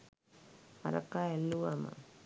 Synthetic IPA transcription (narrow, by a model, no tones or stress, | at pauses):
aɾa̰kaelːuama̰